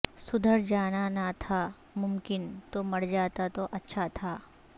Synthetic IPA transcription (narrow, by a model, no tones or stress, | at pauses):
sʊd̪ʱəɾd͡ʒaːnanat̪ʰa | mʊmkɪnt̪omɐɽd͡ʒaːt̪at̪oʔɐtːʃʰat̪ʰaː